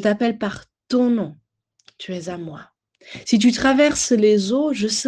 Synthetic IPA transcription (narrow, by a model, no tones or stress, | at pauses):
t̪apɛlpaʁ | t̪ɔ̃nɔ̃ | t̪ʰyɛzamwa | sit̪̬yt̪χavɛʁslezoʒəsə